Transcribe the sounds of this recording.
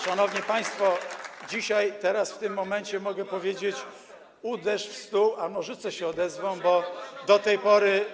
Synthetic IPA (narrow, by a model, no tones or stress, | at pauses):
ʂanɔvɲipaj̃st̪fɔd͡ʑiɕajt̪ɛɾasft̪ɘmːɔmɛnt͡ɕɛmɔɡɛpɔvʲjed͡ʑet͡ɕ | ud̪ɛʂfst̪uamɔʐɘt̪sɛɕɛɔd̪ɛzvɔ̃w̃bɔd̪ɔt̪ɛjpɔɾɘ